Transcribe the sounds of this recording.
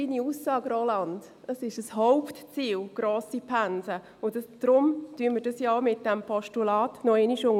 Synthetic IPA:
iːniuːsːɑːɡɾolɑnd̥ | əsɪʃəshoʊptt͡siːlɡ̥roːsipʰænzə | ʊnsd̥ɾʊmtyənməɾdɑsjɑmɪt̚d̥ɛmpʰɔʃtulɑːtnɔɛniʃʊŋ

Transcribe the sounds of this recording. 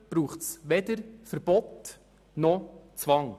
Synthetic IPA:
b̥ɾuːχtsʋɛd̪əɾfəɾbɔt | nɔt͡sʋɑŋ

